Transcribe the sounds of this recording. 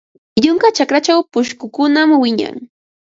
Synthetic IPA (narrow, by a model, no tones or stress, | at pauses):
ʎʊŋkat͡ʃakɾat͡ʃawpʊʃkʊkʊnamwɪɲa̰ŋ